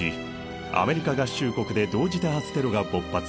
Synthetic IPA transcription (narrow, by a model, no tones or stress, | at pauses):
i | a̰me̞ɾʲikaɡaɕɨːko̞kɯ̟d̪e̞d̪o̞ːʑit̪aat͡sɨ̥t̪e̞ɾo̞ɡabo̞pːat͡s